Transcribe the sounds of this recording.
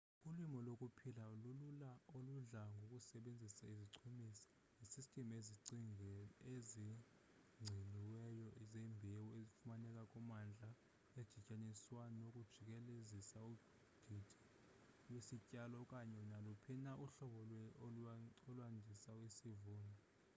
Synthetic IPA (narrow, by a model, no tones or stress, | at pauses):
ulwimɔlokʼupʰilalululaoluɮaŋɡʱokʼusɛɓend͡zʱisaiziǀʰumisḁ | isistʼemeziǀiŋɛezi | ŋ͡ǀʱiniwɛjɔʔizɛmbʱewuezifumanɛkʼakʼumand͡ɮʱa | ed̥ʒ̥ʱicʼaniswanokʼud̥ʒ̥ʱik̬ɛlezisau | d̥ʱidʰʱʼi̥ | wesicʼalɔkʼaɲɛunalupʰinaʔuɬɔɓɔlwɛoɔlwandʱisaisivuːnʱɔ